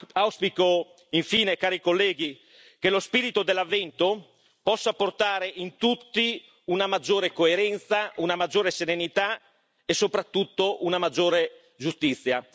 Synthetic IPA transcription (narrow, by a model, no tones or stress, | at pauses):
awspiko | iɱfiːnekaːɾikolːɛːɡi | kelospiːɾit̪od̪elːavːɛnt̪o | pɔsːaport̪aːɾeʔint̪ut̪ːi | unamad͡ʒːoːɾekoeɾɛnt̪saunamad͡ʒːoːɾeseɾenit̪a | esːopɾat̪ːut̪ːoʔunamad͡ʒːoːɾe | d͡ʒust̪it̪sːja